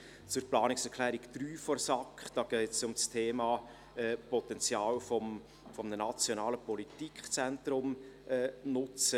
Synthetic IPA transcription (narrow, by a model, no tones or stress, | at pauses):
t͡sʊrplɑːnɪksɛrkʰlɛːɾikd̥̪ɾyːfɔrsɑkχd̥ɑːɡ̥ɛɪt͡sʊmstʰeːmɑː | ɛːpɔtɛnt͡sjɑːlfɔm | fɔmnənɑt͡sjɔnɑːləpɔlitikχt͡sɛntɾʊmʔɛːnʊt͡sə